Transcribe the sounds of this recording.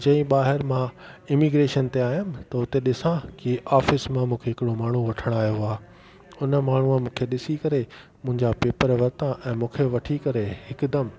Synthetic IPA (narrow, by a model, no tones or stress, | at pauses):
d͡ʑɐ̃ĩɓaːɦɪɾmãɪmiɡɾeːʃənt̪eaːjʊmɪt̪ɐʊt̪eɗɪsãkiʔaːfɪsmãmũːkʰeɦɪkɪɽomaːɳ̤uʋɐʈʰəɽ̃aːjoaː | ʊnə̆maːɳ̤uãmũːkʰeɗɪsikɐɾe | mʊ̃ɦɪ̃ɲd͡ʑapeːpəɾʋɐɾt̪ãʔɛ̃ːmũːkʰeʋɐʈʰikɐɾehɪkd̪ɐm